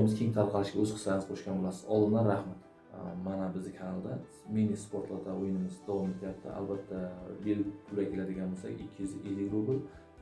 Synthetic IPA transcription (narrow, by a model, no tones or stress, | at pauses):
mɪzkʲʰe̞ŋt̪ʰaɾqʰɑlˠɪʃɡʲaɵzqʰɨ̥slanɪz̥qʰoʃkʲanbolasɪ̥z̥ɒlˠd̪ɪnaɾahmat̪ | manabɪzd̪ɪkʰanalˠd̪a | menispʰoɾt̪lˠat̪ʰaojɪnɪmɪzd̪ɒvɒmet̪ʰɪjap̚t̪ʰɪ̰a̰lbat̪ʰːabelɪpkʰʊlakʰʲelad̪ɪɡʲanbolˠsa̰ɡʲɪ̰kʲʰːɪzʔelɪkɾobɪl